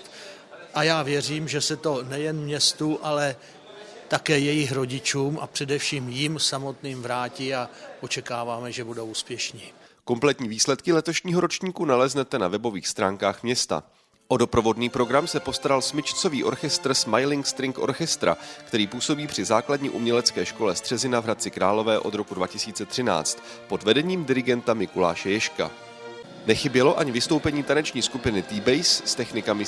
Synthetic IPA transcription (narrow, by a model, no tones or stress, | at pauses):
ʔajaːvjɛriːmʒɛsɛt̪o̞nɛjɛnmɲɛst̪uʔalɛ | t̪akɛːjɛjɪxɾo̞ɟɪt͡ʃuːmʔa̰pr̥ɛdɛfʃiːmjɪmsamo̞t̪niːmvɾaːciːaʔo̞t͡ʃɛkaːvaːmɛʒɛbudouːspjɛʃɲiːko̞mplɛt̪ɲiːviːslɛt̪kɪlɛt̪o̞ʃɲiːɦo̞ɾo̞t͡ʃɲiːkunalɛznɛt̪ɛnavɛbo̞viːxst̪ɾaːŋkaːxmɲɛst̪a̰ | ʔo̞do̞pɾo̞vo̞dniːpɾo̞ɡɾamsɛpo̞st̪aɾalsmɪt͡ʃt͡so̞viːʔo̞̰ɾxɛst̪r̩smajlɪŋkst̪ɾɪŋkʔo̞̰ɾxɛst̪ɾa̰kt̪ɛɾiːpuːso̞biːpr̝̥ɪzaːkladɲḭʔumɲɛlɛt͡skɛːʃko̞lɛst̪r̥ɛzɪnavɦɾat̪̚t͡sɪkɾaːlo̞vɛːʔo̞d̪ɾo̞kudvacɪsiːt͡sɛt̪r̝̥ɪna̰ːt͡st̪ | po̞dvɛdɛɲiːmdɪɾɪɡɛnt̪amɪkula̰ːʃɛjɛʃka̰ | nɛxɪbjɛlo̞ʔaɲɪvɪst̪o̞wpɛɲiːt̪anɛt͡ʃɲiːskupɪnɪt̪ɪbɛjsːt̪ɛxnɪkamɪ